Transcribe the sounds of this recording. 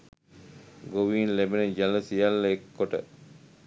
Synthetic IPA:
ɡoʋiːnlebenəd͡ʒaləsijalːəekːoʈə̰

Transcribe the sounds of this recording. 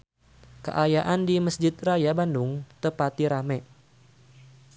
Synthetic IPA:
kə̰ʔajaʔandiməsd͡ʒɪt̪̚rajabandʊŋt̪əpat̪iɾamɛ

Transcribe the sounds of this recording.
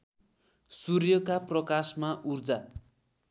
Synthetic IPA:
surjʌkaprʌkasmaʔurd͡za

